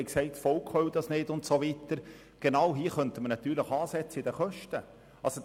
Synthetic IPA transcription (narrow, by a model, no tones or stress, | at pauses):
ɪksɛɪtfɔlkχœwd̥̪ɑsnɪdʊntsoʋitəɾ | ɡ̥enɑwɦiːəχœntəmənɑt̪yːɾləχɑːsɛt͡səidəχœʃtə | ɑlso